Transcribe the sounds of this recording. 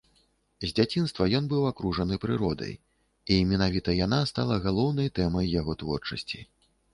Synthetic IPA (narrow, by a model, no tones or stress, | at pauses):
zʲd͡zʲat͡sʲin̪st̪vɐjɔnbɨwakɾuʐɐnɨpɾɨɾɔd̪ɐ̰j | imʲinavʲit̪ɐjanast̪a̰lˠɐɣalˠɔwnɐjt̪ɛmɐjːaɣɔt̪vɔrt͡ʂɐsʲt͡sʲḭ